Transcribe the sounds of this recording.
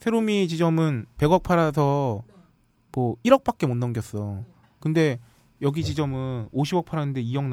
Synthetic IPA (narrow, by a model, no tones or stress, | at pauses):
sʰeɾomit͡ɕid͡ʑʌmɯnpe̞ɡʌk̚pʰaɾasʰʌ | mʌiɾʌk̚p͈ak͈̚e̞monːʌŋɡjʌs͈ʌ | kɯnde̞ | jʌɡit͡ɕid͡ʑʌmɯnoɕʰibʌk̚pʰaɾanɯnde̞ijʌŋn